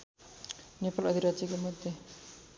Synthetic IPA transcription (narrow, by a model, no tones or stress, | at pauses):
nepalʌd̪ʱiɾat͡ɕikemod̪ʱːe